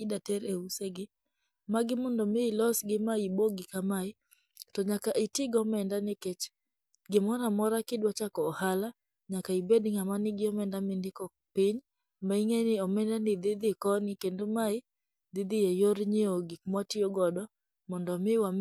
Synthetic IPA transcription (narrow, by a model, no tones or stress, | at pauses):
ɪdatɛɾeuseɡɪ | maɡɪmɔndɔmɪːlɔsɡɪmaiboɡɪkamaɪ | tɔɲakaʔitɪɡɔmɛndanɪkɛt͡ʃ | ɡɪmɔɾamɔɾakɪdwat͡ʃakɔːhala | ɲakaibedɪŋamanɪɡɪɔmɛndamɪndɪkɔ | pɪɲ | maiŋenɪɔmɛndanɪd̪ɪd̪ɪkɔnɪkendomaɪ | d̪ɪd̪ɪjɛjoɾɲioɡɪkmwatioɡɔdɔ | mɔndɔmɪwam